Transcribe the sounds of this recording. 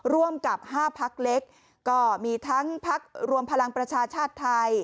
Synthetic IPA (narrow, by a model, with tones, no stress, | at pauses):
ɾu˥˩əmka˨˩p̚haː˥˩pʰa˦˥k̚le˦˥k̚ː | ɔː˥˩miː˧t̪ʰa˦˥ŋpʰa˦˥k̚ɾu˧əmpʰa˧la˧ŋpɾa˧t͡ɕʰaː˧t͡ɕʰaː˥˩t̪ʰːa˧j